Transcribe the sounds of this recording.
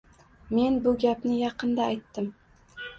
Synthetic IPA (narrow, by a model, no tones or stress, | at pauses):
me̞nbʊɡʲapnɪjɑqɨnd̪aːjt̪ːɪm